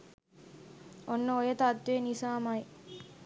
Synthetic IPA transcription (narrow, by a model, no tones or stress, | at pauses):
onːəojət̪at̪ʋenisaːmɐj